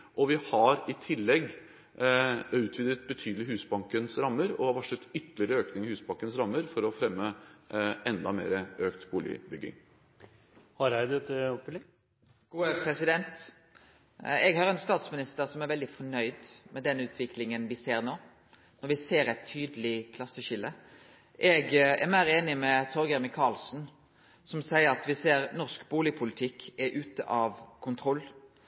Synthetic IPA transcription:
ʔɔʋɪhɑɾɪt̪ʰɪlːɛɡ | ʉːt̪ʰʋiːd̪ɾət̪̚bət̪ʰyːd̪əlɪɦʉːsbɑŋkənsɾɑmːəɾɔʋɑʂət̪ʏt̪ːəlɪəɾəøːknɪŋɪhʉːsbɑŋkənsɾɑmːəɾfɔɾɔfɾɛmːə | ʔɛnd̪ɑmḛːɾəøːkt̪buːlɪ̰bʏɡːɪ̰ŋ | hɑɾhæɪd̪ɛt̪ːəɔpfʏlːɪŋ | ɡ̥uːəpʰɾɛsɪd̪ɛnt̪ | ɛɡhɑɾɛnst̪ɑːt̪smɪnɪst̪əʁsɔmæɾʋɛld̪ɪfɔɳœʏd̪mɛd̪ɛnʉːt̪ʰʋɪkʰlɪŋənʋɪseːʁnoː | nɔɾʋɪseːɾɛɪt̪ʰːyːd̪əlɪkʰlɑsːəʃɪlːə | ʔɛɡɛɾmæɪɾeːnɪmɛt̪ʰɔɾɡəɾmɪkʰɑːlsn̩ | sɔmsæɪəɾɑt̪ʋɪseːɾnɔʁskbuːlɪpʰʊlɪt̪ʰɪkʰːɛʔʉːt̪əʔɑʋkʰʊnt̪ʰɾɔlː

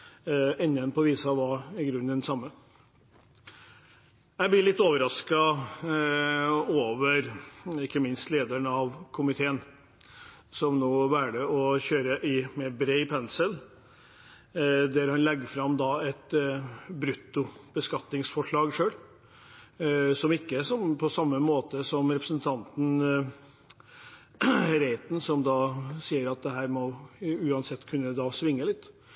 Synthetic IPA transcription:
ɛnːənpʰɔʋiːsɑʋɑɪɡɾʉnd̪ɛnsɑmːə | jæɪblɪɭɪt̪ːoːʋəɾɑskɑ | oːʋəɾɪkːəmɪnst̪leːd̪əɳɑʋkʰʊmɪt̪ʰeːən | sɔmnoːʋæːɖəɔçøːɾəʔɪmeːɾbɾeɪpʰɛnsəl | d̪æɾhɑnlɛɡːəfɾɑmd̪ɑːɛt̪ | bɾʉt̪ːʊb̥əskɑt̪nɪŋsfɔʂɭɑːɡʂøːɽ | sɔmɪkːəsɔmpʰɔsɑmːəmoːt̪əsɔmɾɛpɾəsnt̪ʰɑnt̪n̩ | ɾeɪt̪n̩sɔmd̪ɑːsiːəɾɑt̪̚d̪ɛɦæːɾmɔʉːɑnsɛt̪ːkʰʉnːəd̪ɑːsʋɪŋːəlɪt̪ː

